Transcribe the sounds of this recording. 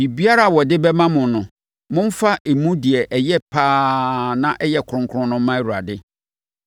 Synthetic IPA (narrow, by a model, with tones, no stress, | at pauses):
i˨bi˦a˦ɾa˦˨wɔ˨dɪ˦bɛ˦mã˦mʊ̃˨nʊ̃˨ | mʊ̃˦m̩˦fa˦ʔe˨mũ˦di˨ɛ˨ʔɛ˨jɛ˦pʰaː˦nã˦ʔɛ˦jɛ˨kʰɾʊ̃˦ŋkʰʊ̃˦nʊ̃˦mã˦e˦˨wu˨ɾa̰˨dɪ˦